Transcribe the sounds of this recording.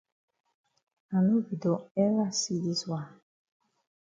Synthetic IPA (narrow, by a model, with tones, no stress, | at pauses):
a˨nũ˦vi˨do˨ɛ˦ɾa˦si˦li˦swa˨